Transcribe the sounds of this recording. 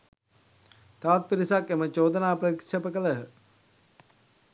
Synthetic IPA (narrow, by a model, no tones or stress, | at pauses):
t̪aʋat̪̚piɾisakemət͡ʃoːd̪ənaːprəikʃepəkələɦə